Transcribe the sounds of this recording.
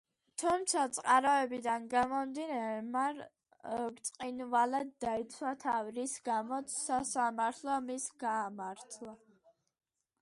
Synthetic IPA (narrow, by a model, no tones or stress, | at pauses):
t̪ʰumt̪sʰat̪sʼqʼaɾɔɛbid̪anɡamɔmd̪inamaɾ | kt̪sʼqʼinvalad̪ːait̪sʰwat̪ʰavɾisɡamɔt̪sʰːasamaɾt̪ʰlˠɔmisɡaːmaɾt̪ʰlˠa